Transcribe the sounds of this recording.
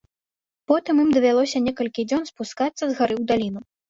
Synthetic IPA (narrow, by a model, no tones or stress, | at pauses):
pɔt̪ɨmimd̪ɐvʲalˠɔsʲɐnʲɛkɐlʲkʲid͡zʲɔnspuskat̪sːɐzɣaɾɨwd̪alʲin̪u